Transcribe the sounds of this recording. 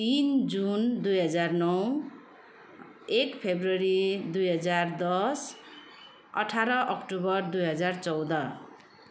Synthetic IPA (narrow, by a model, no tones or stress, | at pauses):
t̪ind͡zund̪ujɦʌd͡zarnʌw | ekpʰebrʌɾid̪ujɦʌd͡zard̪ʌs | ʌ̰ʈʰaɾʌʔʌkʈubʌrd̪ujɦʌd͡zart͡sʌwd̪ʌ